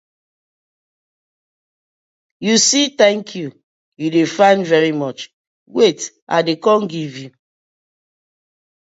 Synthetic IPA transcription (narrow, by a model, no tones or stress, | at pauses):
jusitɛ̃ŋkʰju | judefãɪ̃nvɛɹimɔt͡ʃ | wet | ʔa̰dekɔ̃nɡivju